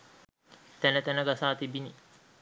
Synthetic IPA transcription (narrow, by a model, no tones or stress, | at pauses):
t̪ænət̪ænəɡasaːt̪ibini